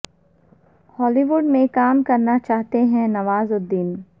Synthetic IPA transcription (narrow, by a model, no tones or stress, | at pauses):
hɔːliːʋuɖmẽkaːmkɐɾnat͡ʃaːɦt̪eɦɛ̃nɐʋaːzʊd̪ːiːn